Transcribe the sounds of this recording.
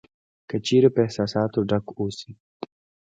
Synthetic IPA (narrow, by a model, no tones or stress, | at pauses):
kət͡ʃeɾepəehsɑːsɑːt̪oɖakosi